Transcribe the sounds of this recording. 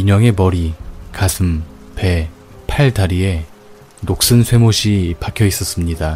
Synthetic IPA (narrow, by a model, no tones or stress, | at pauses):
iɲʌŋe̞mʌɾikasʰɯmpe̞ | pʰaɭtaɾie̞ | nok̚s͈ɯnsʰwe̞moɕʰipakʰjʌis͈ʌs͈ɯmɲida